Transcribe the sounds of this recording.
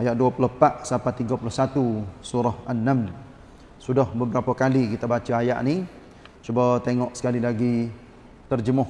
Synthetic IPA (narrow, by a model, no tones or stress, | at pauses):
ajaʔ̪̚duapulɔhpaʔsapat̪iŋɡapulɔhsat̪usuɾɔhanːamn | sudɔhbəbəɾapakalikit̪abat͡ʃəaja̰ʔni | t͡ʃubat̪eŋɔʔsə̥kalilaɡi | t̪ərd͡ʒəmʊh